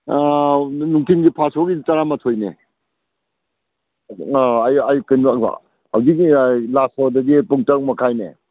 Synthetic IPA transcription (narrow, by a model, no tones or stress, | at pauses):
anuŋtʰinɡipʰasoɡitaɾamɐtʰojne | aajajukɯnbaka̰ | hawzik̚ilasɔdɐdipuŋtak̚makʰajnḛ